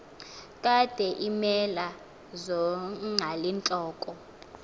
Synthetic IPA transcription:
kʼad̥ʱɛʔimɛla | zɔŋalint͡ɬʼɔːkʼɔ

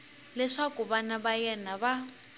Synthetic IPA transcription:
lɛʂakuβanaβajɛnaβa

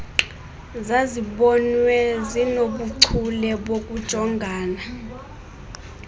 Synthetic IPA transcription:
zaziɓɔnwɛzinoɓuǀʰulɛɓok̬ʼud̥ʒ̥ʱɔŋɡʱaːna

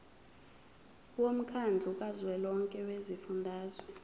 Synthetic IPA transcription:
wom̩kʰand͡ɮʱuk̬ʼazwɛlɔŋkʼɛwezifundʱaːzɔ

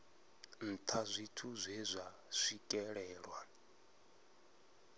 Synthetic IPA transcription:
n̩t̪ʰazʷitʰuzʷɛzʷa | sʷikʼɛɺɛːɺwa

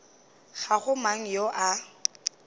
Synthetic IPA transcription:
ɣaɣʊmaŋ̩joʔa

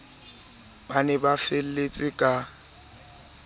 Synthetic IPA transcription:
b̥anɛbafel̩let͡sʼɪkʼa

